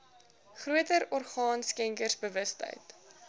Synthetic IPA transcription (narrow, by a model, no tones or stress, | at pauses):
χruətəɾɔrχɑːnskɛŋkərsbəvəstə̰jt